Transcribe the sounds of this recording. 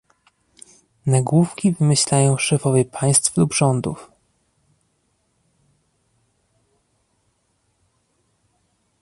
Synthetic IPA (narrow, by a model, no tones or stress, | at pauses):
naɡwufkʲivɘmɘɕlajɔ̃w̃ʂɛfɔvʲjɛpʰaj̃st̪flubʐɔnd̪ṵf